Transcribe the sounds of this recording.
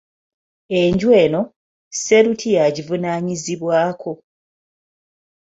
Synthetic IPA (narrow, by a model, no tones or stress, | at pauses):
e̞ɲɟwe̞ːno̞ | se̞ɾutʰijaɟivunaːɲiziβwaːko̞